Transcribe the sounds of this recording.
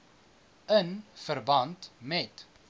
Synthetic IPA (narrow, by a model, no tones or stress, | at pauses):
ənfərbɐntmɛt